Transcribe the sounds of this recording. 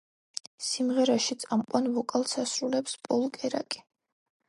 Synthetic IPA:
simʁɛɾaʃit̪sʼamqʼwanvɔkʼalˠsasɾulɛpspʼɔlˠkʼɛɾa̰kʼi̥

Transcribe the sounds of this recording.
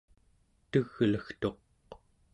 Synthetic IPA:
t̪əɣləxt̪o̞q

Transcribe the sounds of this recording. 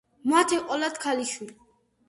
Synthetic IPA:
mat̪ʰɛqʼɔlad̪kʰaliʃwil

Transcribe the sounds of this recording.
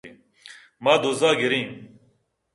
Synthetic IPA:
i | maːd̪ozaːɡiɾĩː

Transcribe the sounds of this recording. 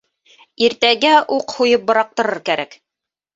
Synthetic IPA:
iɾt̪æɡæʔuqhujɤp̚bŏɾɑq̚t̪ɤ̆ɾɤɾkæɾæk

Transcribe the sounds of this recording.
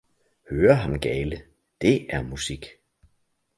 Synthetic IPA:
høːɐɦɑ̈nɡ̥ɛːlə | d̥e̝ʔæɐmusiɡ̥

